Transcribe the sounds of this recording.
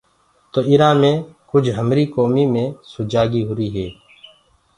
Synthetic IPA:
t̪oːɪɾaːmẽːkʊd͡ʒʱɦəmɾiːkoːmiːmẽːsʊd͡ʒaːɡiːɦʊɾiːɦeː

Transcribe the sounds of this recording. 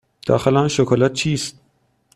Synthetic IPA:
d̪̥ɒ̰ːxelænʃokʰɒlæt̪̚t͡ʃʰiːst̪̚

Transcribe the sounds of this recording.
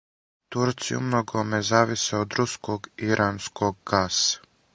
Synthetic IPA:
t̪uɾt̪sijṵmnoɡomezaːʋiseod̪ɾuskʰoɡiɾʔaːnskʰoɡ̚ɡaːsḁ

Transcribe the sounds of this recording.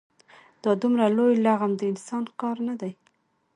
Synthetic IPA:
d̪̥ɑd̪umɾalojlaɣamd̪əɪnsɑnkɑɾnad̪aj

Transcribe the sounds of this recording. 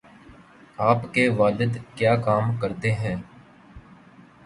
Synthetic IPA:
aːpkeʋaːlɪd̪kjaːkaːmkəɾt̪eɦɛ̃ː

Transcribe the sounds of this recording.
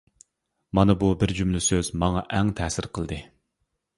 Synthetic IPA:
mɑnɨbubɪɾd͡ʒumlɪsøzmɑŋɑʔɛŋt̪ʰɛːsɪɾqʰəlˠd̪ɨ

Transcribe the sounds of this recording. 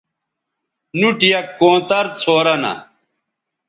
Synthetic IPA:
nuʈijɐkːõːt̪ɐɾt͡sʰoːɾɐnɐ̰

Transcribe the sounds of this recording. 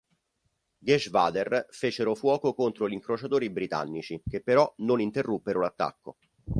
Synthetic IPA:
ɡɛʃvaːd̪erfeːt͡ʃeɾofwɔːkokont̪ɾoʎiŋkɾot͡ʃat̪oːɾibɾit̪a̰nːit͡ʃik̟epːeɾɔnonint̪erːupːeɾolat̪ːa̰kːo̰

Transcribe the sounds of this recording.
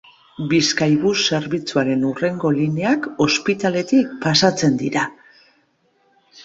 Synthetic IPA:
biskajβuse̞ɾβit͡suaɾe̞nure̞ŋɡo̞line̞ako̞spit̪ale̞t̪ik̚pasat͡se̞nd̪iɾa

